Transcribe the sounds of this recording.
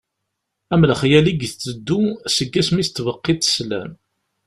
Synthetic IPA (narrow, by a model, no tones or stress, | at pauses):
æmləχjæliɡθt͡sːəd̪ːusəɡːæsmist̪ːvəqːit̪ːslæ̰m